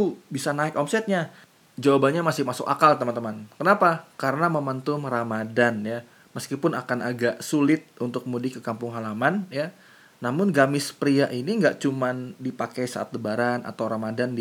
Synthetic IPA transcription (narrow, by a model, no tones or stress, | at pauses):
ubisanaɪkɔmsɛt̪̚ɲa | d͡ʒawabaɲamasɪhmasʊ̰ka̰kalt̪əmant̪əmankənapakaɾənaməmant̪ʊmramadanja | məskipʊnakanaɡaʔsulɪt̪̚unt̪ʊk̚mudɪhkəkampʊŋɦalamanjaː | amʊnɡamɪspɾiaʔiniŋɡaʔt͡ʃumandipakajsa̰a̰t̪̚ləbaɾana̰t̪awɾamadandi